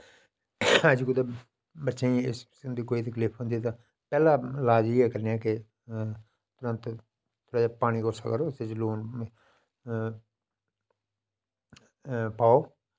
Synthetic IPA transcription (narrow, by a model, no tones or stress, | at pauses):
əd͡ʒkʊd̪e | bətːʃẽĩɪs | nd̪iːkoːiːt̪əkliːpʰɦə̃nd̪iːt̪̬ãː | pɛːlaːlaːd͡ʒiːɛːkəɾneɛːkɪ | t̪ʊɾə̃nt̪ | t̪ʰoːɽaːd͡ʒaːpaːɽ̃iːkosa̰ːkəɾoːset͡ʃluːn | paːoː